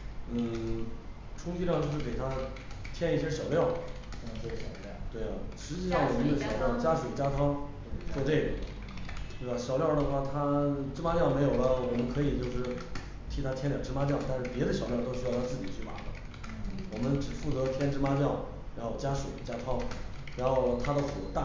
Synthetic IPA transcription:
n̩˥˩ | ʈ͡ʂʰʊ˥ŋt͡ɕʰy˥ɑ˥˧ŋt͡ɕjo˥˧ʊʂɻ̩˥˩ke˨˩ɪt̪ʰa˥ | t̪ʰjɛ˥ni˥˩ɕ̬jɛ˥ɕjɑ˨˩ʊljɑ˥˩ʊ˨ | t̪we˥˩ɪɐ˩ʂɻ̩˧˥t͡ɕi˥˧ʂɑ˥˩ŋwɔ˨˩mə˦nd̪ə˧ɕjɑ˨˩ʊljɑ˥˩ʊt͡ɕja˥ʂu˨˩t͡ɕja˥t̪ʰɑ˥ŋ | wɔ˥˧ʈ͡ʂe˥˩ɪɡə˨˩ | tt̪we˥˩a˨˩ɕjɑ˨˩ʊljɑ˥˩ʊd̪ə˩xwa˥˩t̪ʰa˥ʈ͡ʂɻ̩˥ma˥t͡ɕjɑ˥˩ʊme˧˥ɪjo˨˩ʊlə˦wɔ˨˩mə˦nkʰɤ˧˥i˨˩t͡ɕjo˥˧ʊʂɻ̩˥˩ | t̪ʰi˧˥˩t̪ʰa˥t̪ʰjɛ˥nljɑ˨˩ŋʈ͡ʂɻ̩˥ma˥t͡ɕjɑ˥˩ʊt̪a˥˧nʂɻ̩˥˩pjɛ˧˥d̪ə˧ɕjʊljɑ˥˧ʊt̪o˥ʊɕy˥jʊt̪ʰa˥t͡sɹ̩˥˩t͡ɕi˨˩t͡ɕʰy˥˩fa̰˧˥d̪ə˧ | wɔ˨˩mə˦nʈ͡ʂɻ̩˨˩fu˥˩t͡sɤ˧˥t̪ʰjɛ˥nʈ͡ʂɻ̩˥pa˥t͡ɕjɑ˥˩ʊ | ɻa˧˥n˥xo˨˩ʊt͡ɕja˥ʂṵ˨˩t͡ɕja˥t̪ʰɑ˥ŋɻa˧˥nxo˥˩ʊt̪ʰa˥d̪ə˨fṵ˨˩t̪a˥˩

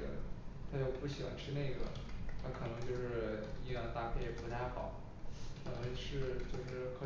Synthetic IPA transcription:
ə̰˨˩t̪ʰa˥jo˥˩ʊpu˥˩ɕi˨˩xwa̰˧˥nʈ͡ʂʰɻ̩˥˧ne˥˩ɪɡə̰˩˦t̪ʰa˥kʰɤ˨˩nɤ˧˥ŋt͡ɕjo˥˧ʊʂɻ̩˥˩˧i˥jɑ˥˩ŋt̪a˥˩pʰjɛ˥˩ɪ˩pu˧˥t̪ʰa˥˩ɪxɑ̰˨˩˦ʊ | t̪ʰa˧˩nə˧˥ʂɻ̩˥˧t͡ɕjo˥˧ʊʂɻ̩˥˩kʰɤ˧˥

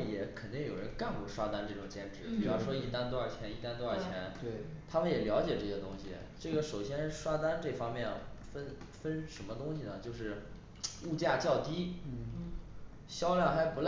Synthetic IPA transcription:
njɛ˨˧˥kʰə˨˩nt̪i˥˩ŋjo˨˩ʊɻə˧˥nka˥˩npu˥˩ʂwa˥t̪a˥nʈ͡ʂɤ˥˩ʈ͡ʂʊ˨˩ŋt͡ɕjɛ˥nʈ͡ʂɻ̩˨˧˥pi˨˩u˥ɑ˥˩ʂwɔ˥i˥˩t̪a˥nt̪wɔ˥a˞˥˩t͡ɕʰjɛ˧˥ni˥˩t̪a˥nt̪wə˞˥˩t͡ɕʰjɛ˧˥n˩t̪ʰa˥mə˨njɛ˨˩ljɑ˧˥ʊt͡ɕjɛ˨˩ʈ͡ʂɤ˥˩ɕjɛ˥t̪ʊ˥ŋɕḭ˨˩ | ʈ͡ʂɤ˥˩ɡə˩ʂo˨˩ʊɕjɛ˥nʂwa˥t̪a˥nʈ͡ʂɤ˥˩fɑ˥ŋmjɛ˥˩nfə˥n | fə˥nʂə˧˥nmə˧t̪ʊ˥ŋɕi˨nə˩t͡ɕjo˥˧ʊʂɻ̩˥˩ | u˥˧t͡ɕja˥˧t͡ɕjɑ˥˩ʊt̪i˥ | ɕjɑ˥ʊljɑ˥˩ŋxa˧˥ɪpu˧˥l

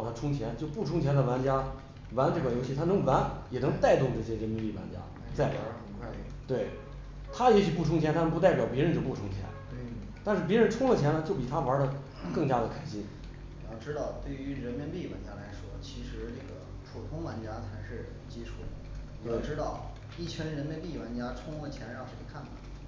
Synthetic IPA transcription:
ɑ˥˩ʊt̪ʰa˥ʈ͡ʂʰʊ˥ŋt͡ɕʰjɛ˧˥nt͡ɕjo˥˧ʊpu˥˩ʈ͡ʂʰʊ˥ŋt͡ɕʰjɛ˧˥nd̪ə˧wa˧˥nt͡ɕja˥ | wa˧˥nʈ͡ʂkwa˧˩jo˧˥ʊɕi˥˩t̪ʰa˥nɤ˧˥ŋʋa˧˥njɛ˨˩nɤ˧˥ŋt̪a˥˧ɪt̪ʊ˥˧ŋʈ͡ʂɤ˥˩ɕjɛ˥ʂɛ˧˥mɛ˧˥npi˥˩wa̰˧˥nt͡ɕja̰˥ | t͡sa˥˩ɪpxə˧˩nkʰwa˥˩ɪ˩t̪we˥˩ɪ | t̪ʰa˥˧˥ɕi˥pu˥˩ʈ͡ʂʰʊ˥ŋt͡ɕʰɛ˧˥nt̪ʰa˥nə˧˥p̬u˧t̪a˥˩pjɑ˨˩ʊp̬jɛ˧˥ɻə˧˥nt͡ɕjo˥˧ʊpu˥˩ʈ͡ʂʰʊ˥ŋt͡ɕʰjɛ̰˧˥n | t̪a˥˧nʂɻ̩˥˩p̬jɛ˥ɻə˧˥nʈ͡ʂʰʊ˥ŋlə˨t͡ɕʰjɛ˧˥nlə˧t͡ɕjo˥˩ʊp̬i˨˩t̪ʰa˥wə˞˧˥də˧ | kɤ˥˩ŋt͡ɕja˥d̪ə˨kʰa˨˩ɪɕi˥n | ni˨˩jɑ˥˩ʊʈ͡ʂɻ̩˥t̪ɑ˥˧ʊt̪we˥˩ɪy˧˥ɻə˧˥nmi˧˥npi˥˩wa̰˧˥nt͡ɕja˥la˧˥ɪʂwɔ˥t͡ɕʰi˧˥ʂɻ̩˧˥ʈ͡ʂɤ˥˩ɡə̰˩ | pʰu˨˩t̪ʰʊ˥ŋwa˧˥nt͡ɕja˥t͡sʰa˧˥ɪʂɻ̩˥˩ | t͡ɕi˥ʈ͡ʂʰu˨˩d̪ | i˨we˥˩ʊʈ͡ʂɻ̩˥t̪ɑ˥˧ʊ | i˥˩t͡ɕʰɛ˧˥nɻə˧˥nmi˧˥npi˥˩wa˧˥nt͡ɕja˥ʈ͡ʂʰʊ˥ŋlə˧t͡ɕʰjɛ˧˥n˧ɻɑ˥˧ŋʈ͡ʂə˥˩ə˧˥kʰa˥˩na˨˩

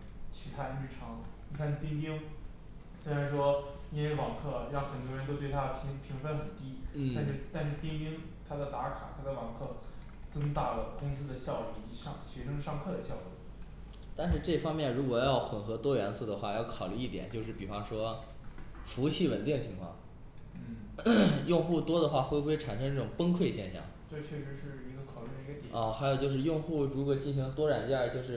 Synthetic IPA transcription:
t͡ɕʰi˧˥t̪ʰa˥˧ɻɻ̩˥˩ʈ͡ʂʰɑ˧˥ŋi˥˩fʰa˥˧nt̪i˥ŋt̪i˥ŋ | swe˥ɪɻa˧˥nʂwɔ˥ni˥e˧˥ɪwɑ˨˩ŋkʰɤ˥˩ɻɑ˥˩ŋxə˨˩nt̪wɔ˥˩ɻə˧˥nt̪o˥ʊt̪we˥˧ɪt̪ʰa˥pʰi˧˥ŋpʰi˧˥ŋfə˥nxə˨˩t̪i˥n̩t̩̪˥˩a˥˧nʂɻ̩˥˩t̪a˥˧nʂɻ̩˥˩t̪i˥ŋi˥ŋ | t̪ʰa˥d̪ə˨t̪a˧˥kʰa˨˩t̪ʰa˥da˧˩wɑ˨˩ŋkʰɤ˥˩ | t͡sɤ˥ŋt̪a˥˩lə˩kʊ˥ŋsɹ̩˥d̪ə˨ɕjɑ˥˧ʊli˥˩i˨˩t͡ɕi˧˥ʂɑ˥˧ŋɕɥɛ˧˥ʂɤ˥ŋʂɑ˥˧ŋkʰɤ˥˩d̪ə˩ɕjɑ˥˧ʊkwe˥˩ | t̪a˥˧nʂɻ̩˥˧ʈ͡ʂɤ˥˩fɑ˥ŋmjɛ˥˩nɻu˧˥kwɔ˨˩jɑ˥˩ʊxwə˨˩nxɤ˧˥t̪wɔ˥ɥɛ˧˥nsu˥˩d̪ə˩xwa˥˧jɑ˥˩ʊkʰɑ˨˩ʊly˥˧i˥˩jɛ̰˨˩˦nt͡ɕjo˥˧ʊʂɻ̩˥˩pi˨˩fɑ˥ŋʂwɔ˥ | fu˧˥t͡ɕʰi˥˩wə˨˩nt̪i˥˩ŋə˩t͡ɕʰi˧˥ŋkʰwɑ̰˥˩ŋ | n̩˥˩ | jʊ˥˧ŋxu˥˩t̪wɔ˥d̪ə˨xwa˥˩xwe˥˧ɪbu˥˩˥e˥˩ʈ͡ʂʰa˨˩nʂɤ˥ŋʈ͡ʂɤ˥˩ʈ͡ʂʊ˨˩ŋpə˥ŋkʰwe˥˧ɪɕjɛ˥˧nɕjɑ̰˥˩ŋʈ͡ʂɤ˥˧t͡ɕʰɥɛ˥˩ʂɻ̩˧˥ʂɻ̩˥˩i˧˥ɡə˧kʰɑ˨˩ʊly˥˩d̪ə˧˩˧ɡə˧t̪i˨˩ə˥˩xa˧˥ɪjt͡ɕjo˥˧ʊʂɻ̩˥˧jʊ˥˧ŋxu˥˩ɻu˧˥kwɔ˨˩t͡ɕi˥˩nɕi˧˥ŋlə˧t̪wɔ˥ɻa˨˩nt͡ɕja˥˧t͡ɕjo˥˧ʊʂɻ̩˥˩

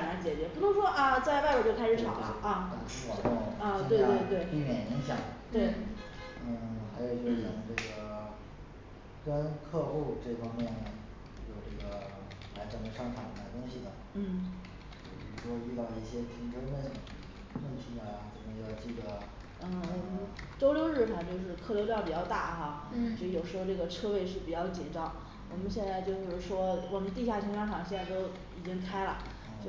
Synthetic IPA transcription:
la˧˥t͡ɕjɛ˨˩t͡ɕɥɛ˧˥pi˧˥ʊ˥ŋʂwɔ˥ʔɐ˥˧t͡sa˥˧ɪwa˥ɪwə˨˩t͡ɕo˥˧ʊkʰa˥ʂɻ̩ʰ˨˩ɑ̰˨˩˦l̰ɐ˥˧ə˥˩ʂ̩ʰ˥˩wɑ˨˩˥ʊt̪ʊ˥˧˩ŋ˥˧i˥we˥˧ɪ˥t̪t̪we˥˩ɪpi˥˩mjɛ˨˩ni˧˥ŋɕjɑ˨˩˦ŋt̪we˥˩ɪ˩ | n̩˥˩xa˧˥ɪjo˨˩ʊt͡ɕjo˥˩jɛ˨˩nʈ͡ʂɤ˥˩ɡə˩ | kə˥nkʰɤ˥˧xu˥˧ʈ͡ʂɤ˥˩fɑ˥ŋmjɛ˥˩n | jo˨˩ʊʈ͡ʂɤ˥˩ɡə˩ | la˧˥ɪt͡sə˨˩d̪ə˧ʂɑ˥˩ŋʈ͡ʂʰa˨˩n˥˩d̪a˥˧˩t̪ʊ˥ŋɕi˨˩d̪ə˩ | n̩˥˩ | t͡ɕo˥˩pḭ˨˩ɻu˥ʂwɔ˥y˥˧t̪ɑ˥˧ʊə˩i˥˩ɕjɛ˥pʰi˧˥ŋʈ͡ʂə˥ŋfə˥˩n | wə˥nt̪ʰi˧˥ə˧t͡sə˨˩mə˧jɑ˥˧ʊt͡ɕi˥˩d̪ə˩ | n̩˥˩wɔ˨˩mə˦n | ʈ͡ʂo˥ʊljo˧˥ʊɻɻ̩˥˩ʈ͡ʂʰa˧˩˦nt͡ɕjo˥˧ʊʂ̬ɻ̩˥˧kʰɤ˥˩lo˧˥ʊʈ͡ʂɑ˥˩pi˨˩t͡ɕjɑ˥˧ʊt̪a˥˩xa˥˩t͡ɕo˥˧˩jo˨˩ʊʂɻ̩˧˥xo˧ʈ͡ʂɤ˥˩ɡə˩ʈ͡ʂʰɤ˥˧we˥˧ɪʂɻ̩˥˩pi˨˩t͡ɕjɑ˥˩ʊt͡ɕjɛ˨˩ʈ͡ʂɑ˥˩ŋ | wʔɔ˨˩mə˦nɕjɛ˥˧nt͡sa˥˧ɪt͡ɕjo˥˧ʊʂɻ̩˥˩ʂwɔ˥wɔ˨˩mə˦nt̪i˥˧ɕ̬ja˥˩t͡ɕʰi˥ŋʂɑ˥ŋʈ͡ʂʰɑ˨˩ŋɕjɛ˥˧nt͡sa˥˩ɪt̪o˥ʊ | i˨˩t͡ɕi˥ŋkʰa˥ɪlə̰˨˥˧

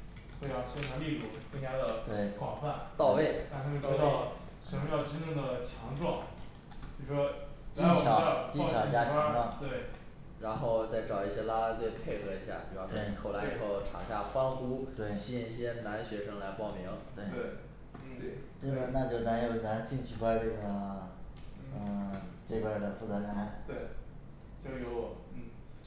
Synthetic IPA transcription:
xwe˥˧ɪɑ˥˩ɕɛ˥nʰa˧˥ŋli˥˧lu˥˩kɤ˥˧ŋt͡ɕja˥d̪ə˨t̪we˥˩ɪkwɑ̰˨˩fa˥˩nt̪ɑ˥˧ʊwe˥˩ɪ˥˧˥ | ŋ˥jɑ˥˧˩ʊʈ͡ʂɻ̩˥ni˥˩ŋd̪ə˩t͡ɕʰjɑ˧˥ŋʈ͡ʂwɑ˥˩ŋ | t͡ɕjo˥˩ʂʂwɔ˥t͡ɕi˥t͡ɕʰjɑ˧˥˧t͡ɕi˥t͡ɕʰjt͡ɕja˥t͡ɕʰɑ˥ŋʈ͡ʂwɑ˥˩ŋt̪we˥˩ | ɻa˧˥nxo˥˧ʊt͡sa˥˩ɪʈ͡ʂɑ˨˩ʊi˥˩ɕjɛ˥la˥la˥t̪we˥˧ɪpʰe˥˧ɪxɤ˧˥i˧˥ɕja̰˥˩pjɑ˥ʊʂwɔ˥n˥˩kʰo˨˩ʊla˧˥ɪɪi˨˩xo˥˩ʊʈ͡ʂʰa̰˨˩ɕja˥˩xwa˥nxu˧˥t̪we˥˩ɕi˥˧˩i˥˩ɕjɛ˥na˧˥nɕɥɛ˧˥ʂɤ˥ŋla˧˥ɪpɑ˥˩ʊmi˧˥ŋt̪we˥˩ɪe˥˩˥ | te˥˩a˥˩na˥˧t͡ɕjo˥˩ʊna˧˥njo˨˩ʊna˧˥nɕi˥˧ŋt͡ɕʰy˥˩kʰwa˥ɪʈ͡ʂɤ˥˩ɡə˩ | ə˥˩ʈ͡ʂe˥˧ba˥˩d̪ə˩fu˥˩t͡sɤ˧˥la˧˩˥t̪we˥˩ɪ | t͡ɕo˥˩˧jo˧˥ʊɔ˨˧˩

